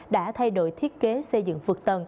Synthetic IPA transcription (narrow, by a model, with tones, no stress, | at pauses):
ɗa̰ː˧˥t̪ʰa˧jɗo̰˧˨jt̪ʰi˦˥ət̚ke˨˦sə˧jzɨ̰˧˨ŋvɨ˨˩k̚t̪ə˨˩n